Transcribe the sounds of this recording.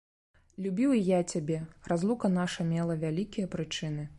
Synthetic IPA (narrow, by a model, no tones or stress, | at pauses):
lʲubʲiwijat͡sʲabʲɛrazlˠukɐnaʂɐmʲɛlˠɐvʲalʲikʲijɐpɾɨt͡ʂɨn̪ɨ